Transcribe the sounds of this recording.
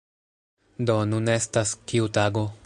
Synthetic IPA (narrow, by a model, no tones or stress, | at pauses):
donune̞staskiutaɡo̞